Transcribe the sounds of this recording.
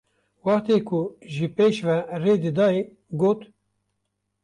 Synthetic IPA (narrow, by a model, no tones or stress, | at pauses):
wɑt̪eːkʰʊʒɨpeːʃvɛreːd̪ɨd̪ɑːe | ɡoːt̪